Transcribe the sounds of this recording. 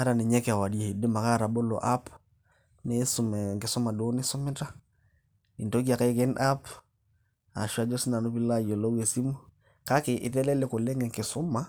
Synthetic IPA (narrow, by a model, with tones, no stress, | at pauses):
a˦ɾa˨ni˨ɲe˦ke˨a˨wa˨di˦e˨i˨di˦ma˨ka˦˨ɾa˨bo˦lo̰˨ʔa˦p | me˦su˨m˨ŋke˨so˦ma˨do˦ni˦so˦me˦ta˦ | i˨nto˦ɡi˦a˨ke˦ke˦nʔa˦p | a̰˨ʃwa˦d͡ʒo˦si˦na˨nu˦pi˦la˦jo˨lo˦we˨si˦mu˦ | ka˦ke˨ʔi˨te˦le˦le˨ko˨le˦ŋɡe˨ŋke˨so˦ma˦